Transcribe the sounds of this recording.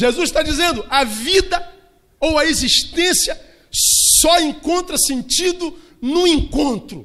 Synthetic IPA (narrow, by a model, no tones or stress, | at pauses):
ʒezuzʃt̪ad͡ʒizẽnd̪ʊɐvid̪ɐ | owɐeziʃt̪ẽsjɐ | sɔẽŋkõnt̪ɾɐsẽnt͡ʃid̪ʊ | nũẽŋkõnt̪ɾʊ̰